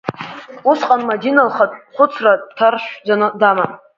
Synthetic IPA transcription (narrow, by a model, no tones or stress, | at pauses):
usqʼanmadʲinalχatʼχʷʊt͡sʰratʰarʃᶣʷd͡zanɨdaman